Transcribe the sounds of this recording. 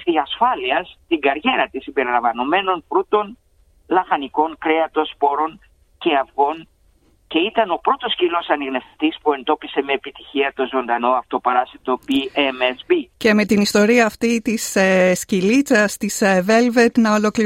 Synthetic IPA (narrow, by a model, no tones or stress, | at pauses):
ðiɐsfɐliɐst̪iŋɡɐɾʝe̞ɾɐt̪isimbe̞ɾilɐɱvɐno̞me̞no̞npɾut̪o̞n | lɐxɐniko̞ŋkɾe̞ɐt̪o̞spo̞ɾo̞n | ce̞ɐfɣo̞n | ce̞it̪ɐno̞pɾo̞t̪o̞scilo̞sɐniɣnefθi̥t̪ispue̞nd̪o̞pise̞me̞ːpit̪içiɐt̪o̞zo̞nd̪ɐno̞ɐft̪o̞pɐɾɐsit̪o̞biemesbice̞me̞t̪inist̪o̞ɾiɐːft̪it̪isescilit͡sɐst̪iseve̞lvet̪nɐolo̞kli